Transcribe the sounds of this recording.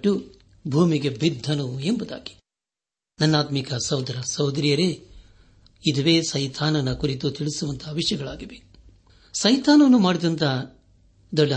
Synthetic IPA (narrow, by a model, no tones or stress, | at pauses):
ʈːu | bʱuːmiɡe̞bid̪ʱːɐnuembud̪a̰ːɡi̥ | nɐnːaːt̪mikɐsɐwd̪ʱɐɾɐsɐwd̪ɐɾijɐɾe | id̪ɐʋe̞ːsɐjt̪ʰaːnɐnɐkuɾit̪ut̪iɭisuʋɐnt̪ʰɐɦɐʋiʂɐjɐɡɐɭaːɡibe | sɐjt̪aːnɐnːumaːɽid̪ɐnt̪ɐ | d̪ɐɭːi